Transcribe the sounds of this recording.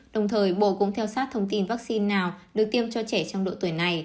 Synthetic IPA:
ɗə˨˩wŋ͡mt̪ʰəː˨˩jɓo̰˧˨kʊ̰˧˥ŋ͡mt̪ʰɛ˧wsaː˦˥t̚t̪ʰə˧wŋ͡mt̪i˧nvaː˦˥k̚si˧nːaː˨˩wɗɨ˨˩ək̚t̪i˧əmt͡ɕɔ˧t͡ɕɛ˧˩t͡ɕɔ˧wŋ͡mɗo̰˧˨t̪wəjna˨˩j

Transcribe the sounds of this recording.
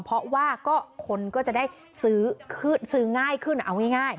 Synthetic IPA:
pʰɔ˦˥waː˥˩kɔː˥˩kʰo˧nkɔː˥˩t͡ɕa˨˩ʔdaː˥˩j | sɯː˨˩˦kʰɯ˥˩nsɯː˨˦ŋaː˥˩jkʰɯ˥˩nʔa˧wŋa˥˩jŋaː˥˩j

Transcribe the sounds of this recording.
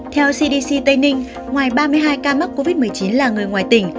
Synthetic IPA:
t̪ʰɛ˧wsi˧ɗi˧si˧t̪ə˧jnï˧ŋ̟ | ŋwaː˨˩jɓaː˧mɨ˧əjɦaː˧jkaː˧ma˦˥t̚ko˧vi˦˥mɨ˨˩əjt͡ɕi˨˦nlaː˨˩ŋɨ˨˩əjŋwaː˨˩jt̪ï˨˩ŋ̟

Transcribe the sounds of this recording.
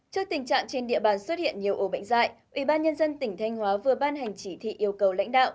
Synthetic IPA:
t͡ɕɨ˧k̚t̪i˨˩ŋ̟t͡ɕa̰ː˧˨ŋt͡ɕe˧nɗḭ˧˨əɓaː˨˩nswə˦˥t̚hḭ˧˨ənɲi˨˩əwʔo˨˩ɓə̰˧˨jŋ̟za̰ː˧˨jʔi˧˩ɓaː˧nɲə˧nzə˧nt̪ï˧˩ŋ̟t̪ʰa˧jŋ̟hwaː˨˦vɨ˨˩əɓaː˧nɦa˨˩jŋ̟t͡ɕi˧˩t̪ʰḭ˧˨ʔi˧əwkə˨˩wla̰˧˥jŋ̟ɗa̰ː˧˨wʔ

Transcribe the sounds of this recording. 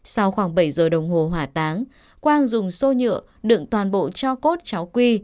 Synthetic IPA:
sa˧wxwaː˧˩ŋɓə˧˩jzəː˨˩ɗə˨˩wŋ͡mɦo˨˩ɦwaː˨˩t̪aː˨˦ŋ | kwaː˧ŋzʊ˨˩ŋ͡mso˧ɲɨ̰˧˨ə | ɗɨ̰˧˨əŋt̪waː˨˩nɓo̰˧˨t͡ɕɔ˧ko˦˥t̚t͡ɕa˨˦wkwi˧

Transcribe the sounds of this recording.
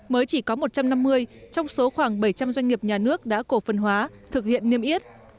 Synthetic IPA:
məː˨˦jt͡ɕi˧˩kɔ˨˦mo˨˩t̚t͡ɕa˧mna˧mːɨ˧əjt͡ɕɔ˧wŋ͡mso˨˦xwaː˧˩ŋɓə˧˩jt͡ɕa˧mzwa˧ŋ̟ŋi˨˩əp̚ɲaː˨˩nɨ˦˥ək̚ɗa̰ː˧˥ko˧˩fə˨˩nɦwaː˨˦ | t̪ʰɨ˨˩k̚hḭ˧˨ənːi˧əmʔi˦˥ət̚

